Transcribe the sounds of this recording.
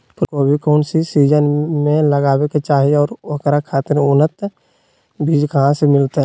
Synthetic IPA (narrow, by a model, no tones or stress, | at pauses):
pɾkoːbʱikɔːnsisiːd͡ʒənmẽləɡaːweket͡ʃaːɦiɔːɾʋəkɾakʰaːt̪ɪɾʊnət̪ | bʱiːd͡ʒkɐɦãsemɪlt̪ɦɛ